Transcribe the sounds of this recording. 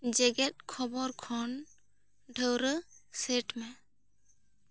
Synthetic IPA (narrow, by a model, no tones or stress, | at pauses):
d͡ʒɛɡɛt̪̚kʰɔbɔɾkʰɔn | ɖʱəwɾəsɛʈmɛ